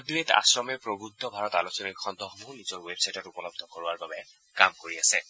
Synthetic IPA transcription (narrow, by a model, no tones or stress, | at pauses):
dɹeta̰sɹɔmɛpɹoɡɹud̪ʰʱɔbʱaɹɔtalosɔnikʰɔnd̪ʱɔxɔmuɹnizɔɹwebsajtɔtupɔlɔb̚d̪ʱɔkoɹʊaɹbabɛ | kamkoɹiasɛ